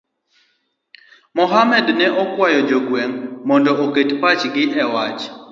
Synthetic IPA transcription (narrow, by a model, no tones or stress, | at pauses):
mɔɦamɛdnɛʔɔkwajɔd͡ʒoɡweŋmɔndɔʔoketpat͡ʃɡɪʔɛwat͡ʃ